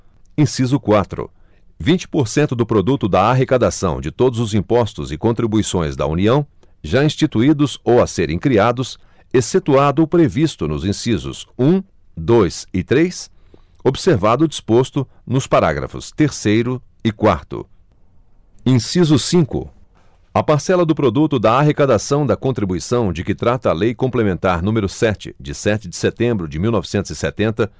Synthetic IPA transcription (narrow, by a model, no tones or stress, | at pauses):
ĩsizʊkwat̪ɾʊ̰ | vĩnt͡ʃɪ̥poɾsẽnt̪ʊd̪ʊpɾod̪ut̪ʊd̪ɐaɦekad̪asɐ̰̃w̃d͡ʒɪt̪od̪ʊzʊzĩpɔst̪ʊzɪkõnt̪ɾibuisõj̃zd̪ɐ̰ṵniɐ̃w̃ | ʒaĩst͡ʃit̪uid̪ʊzowaseɾʔẽj̃kɾiad̪ʊs | eset̪uad̪ʊpɾevist̪ʊnʊzĩsizʊ̰sũ | d̪ojsɪt̪ɾejs | obɪseɾvad̪ʊd͡ʒispost̪ʊ | nʊspaɾa̰ɡɾɐ̰fʊ̰st̪eɾsejɾʊ | ɪkwaɾt̪ʊ̰ | ĩsizʊsĩkʊ̰ | ɐpaɾsɛlɐd̪ʊpɾod̪ut̪ʊd̪ɐːɦekad̪asɐ̃w̃d̪ɐkõnt̪ɾibuisɐ̃w̃d͡ʒɪkɪt̪ɾat̪ɐːlejkõmplemẽnt̪aɾn̪ũmeɾʊsɛt͡ʃɪ̰d͡ʒɪsɛt͡ʃɪd͡ʒɪset̪ẽmbɾʊd͡ʒɪmiwnɔvɪsẽnt̪ʊz̥ɪset̪ẽnt̪ɐ